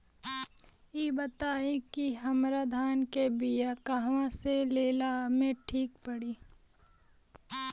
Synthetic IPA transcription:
iːbət̪aːẽkiɦəmɾad̪ʱaːnkebijakaɦʋãseleːlamẽʈʰiːk̚pəɽiː

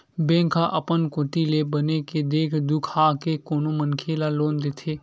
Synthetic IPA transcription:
bẽːŋkʰaʔəpənkoːt̪ilebəneked̪eːkʰd̪ʊkʰaːkekoːnomənkʰeːlaloːnd̪eːt̪ʰeː

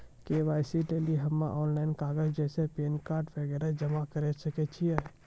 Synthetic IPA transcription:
keʋaːɪsileliɦəmːaʔɔːnlaːɪnkaːɡəd͡ʒd͡ʒɛːsepeːnkaːɾʈʋɛɡɛːɾad͡ʒəmakəɾesəket͡ʃʰiɛ

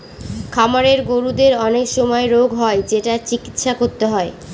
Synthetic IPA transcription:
kʰamaɾeɾɡoɾud̪eɾɔnekʃɔmɔeɾoɡɦɔed͡ʑeʈat͡ɕiki̥t̪ʃakoɾt̪eɦɔe

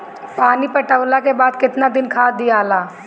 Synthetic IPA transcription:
paːnipɐʈəʋlakebaːd̪kɪt̪nad̪ɪnkʰaːd̪iaːlaː

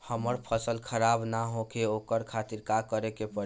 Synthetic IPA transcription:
həməɾpʰəsəlkʰəɾabnaɦokeokəɾkʰat̪iɾkakəɾekepə

